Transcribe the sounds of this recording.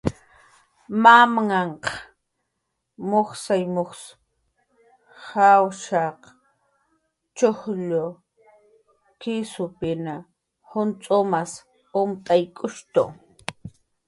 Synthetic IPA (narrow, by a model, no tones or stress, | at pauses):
mamŋaɴq | moχsajmoχs | hawʃaq | t͡ʃohʎʊ | kɪsʊpɪna | hʊnt͡sʼomas | ʊmt̪ʼajkʼʊʃt̪ʊ̰